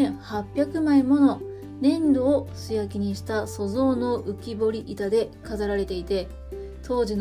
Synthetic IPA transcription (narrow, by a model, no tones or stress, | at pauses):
hapʲːjakɯ̟maimo̞no̞ | nẽ̞nd̪o̞ːsɨjakʲiɲ̟iɕi̥t̪aso̞zo̞ːno̞ʔɯ̟kʲibo̞ɾʲiʔit̪ad̪e̞kazaɾaɾe̞t̪e̞it̪e̞ | t̪ʰo̞ːʑin